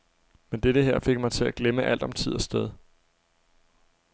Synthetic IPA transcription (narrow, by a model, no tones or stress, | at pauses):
mend̥eɾəɦeɐ̰fe̝ɡ̥̚mɑ̈ɪt͡sʰe̝læɡ̥leməʔæl̰d̥ɒ̽mt͡sʰið̞̰ˠɐsd̥eð̞ˠ